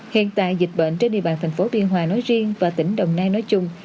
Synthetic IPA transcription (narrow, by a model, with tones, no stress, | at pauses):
hḭ˧˨ənt̪a̰ː˧˨jzi˨˩k̟̚ɓə̰ː˧˨nt͡ɕe˧nɗḭ˧˨əɓaː˧˩nt̪ʰŋ̟fo˨˦ɓi˧ənɦwaː˨˩nɔ˨˦jzi˧əŋvaː˨˩t̪ï˧˩ŋ̟ɗə˨˩wŋ͡mnaː˧jnɔ˨˦jt͡ɕʊ˧ŋ͡m